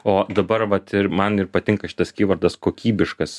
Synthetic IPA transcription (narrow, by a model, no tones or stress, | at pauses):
oːd̪ɐbɐɾʋɐt̪ɪɾmɐnɪrpɐt̪ʲɪŋkɐʃʲɪ̥t̪ɐskʲiːʋɐrd̪ɐskoːkʲiːbʲɪʃkɐs